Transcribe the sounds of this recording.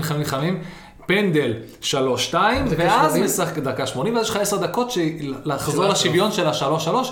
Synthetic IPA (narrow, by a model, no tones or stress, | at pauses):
χamimχamim | pe̞nd̪el | ʃalo̞ʃːtaimveazmesaχd̪akaʃmo̞nimvazjeʃχaesed̪ako̞tʃelaχzoʁlaʃivjo̞nʃelaʃalo̞ʃalo̞ʃ